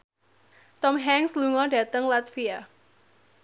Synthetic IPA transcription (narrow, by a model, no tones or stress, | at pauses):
t̪ɔmɦɛŋsluŋɔɖä̤t̪əŋlat̪fia